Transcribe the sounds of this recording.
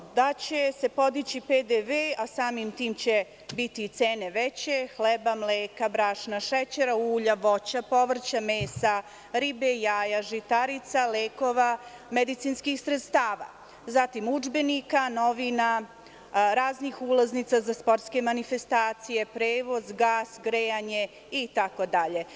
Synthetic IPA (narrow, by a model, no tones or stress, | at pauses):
d̪at͡ɕe̞se̞po̞d̪it͡ɕiped̪eʋeasaːmimt̪iːmt͡ɕe̞ | bit̪it̪seːne̞ʋet͡ɕe̞xlɛbamleːkabɾaʂnaʃɛt͡ɕeɾauːʎaʋo̞t͡ɕapo̞ʋr̩t͡ɕameːsa | ɾibejaːjaʒit̪aɾit̪saleːko̞ʋa | med̪it̪siːnskixsɾet̪st̪aːʋa̰ | zat̪imud͡ʒbenikano̞ʋina | ɾaːznixulˠaznit̪sazaspo̞ɾt̪ske̞manifest̪aːt̪sije̞pɾeːʋo̞zɡaːsɡɾejaɲe | it̪ako̞d̪aʎe̞